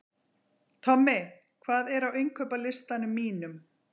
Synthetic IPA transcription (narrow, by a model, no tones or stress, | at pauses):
t̪ʰɔmːɪ | kʰvaːðɛɾawejŋkʰœːpalɪst̪anʏmːiːnʏm